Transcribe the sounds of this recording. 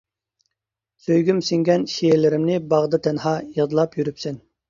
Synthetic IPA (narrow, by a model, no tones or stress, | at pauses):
søjɡʲymsɪŋɡʲɛnʃejelɪɾɪmnɪbɑʁd̪ɨt̪ʰɛnhɑːjiʁd̪ɨlˠɑpjyɾypsɛn